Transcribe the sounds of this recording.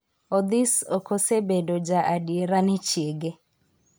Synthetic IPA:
ɔd̪isokosebedod͡ʒaʔadieɾanɛt͡ʃjeɡe

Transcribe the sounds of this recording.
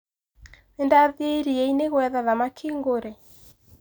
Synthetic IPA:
nendaðeɾieineɣwɛðaðamakʰeŋɡoɾɛ

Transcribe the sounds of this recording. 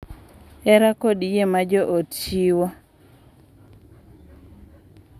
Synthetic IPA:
ɛɾakodijemad͡ʒɔʔott͡ʃiwɔ

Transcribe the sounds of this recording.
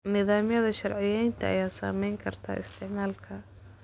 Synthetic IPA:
nɪðaːmjɐðɐʃɐrʕɪjɛjnt̪ʰɐʔɐ̰jaːsa̰ːmɛjŋkʰɐrt̪ʰa̰ːʔɪst̪ʰɪʕmaːlkʰɐ

